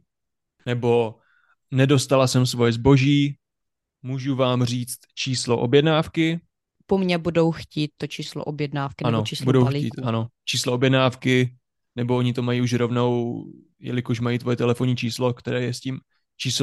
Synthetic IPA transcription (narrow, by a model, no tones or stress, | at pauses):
nɛbo̞ | nɛdo̞st̪alasɛms̬vo̞jɛzbo̞ʒiː | muːʒuvaːmr̝iːt͡st̪t͡ʃiːslo̞ʔobjɛdnaːfkɪ | pomɲɛbudowxciːt̪̚t̪ːot͡ʃiːslo̰ʔobjɛdnaːfkɪnaɛnot͡ʃiːsbudowliḭːt̪ʔano̞t͡ʃiːsloʔobjɛdnaːfkɪ | nɛboʔoɲɪt̪o̞majiːuʃɾo̞vno̞w | jɛ̰lɪkoʃ̬majiːt̪vo̞jɛt̪ɛlɛfoɲiːt͡ʃiːslo̞kt̪ɛɾɛːjɛsciːm | t͡ʃiːs